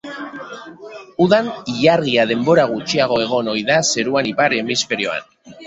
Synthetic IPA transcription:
uðaniʎarɣiað̞e̞mbo̞ɾaɣ̞ut͡ʃiaɣ̞o̞e̞ɣ̞o̞no̞jðase̞ɾuanipaɾemisfe̞ɾio̞a̰n

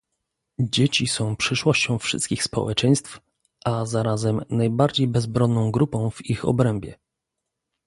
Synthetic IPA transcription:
d͡ʑet͡ɕisɔ̃w̃pʂɘʂwɔɕt͡ɕɔ̃w̃fʂɘ̰st̪kʲixspɔ̰wɛt͡ʂɛ̃j̃st̪f | ʔazaɾazɛmnajbaɾd͡ʑejbɛzbɾɔnːɔ̃w̃ɡɾupɔ̃w̃vixɔ̰bɾɛmbʲjɛ̰

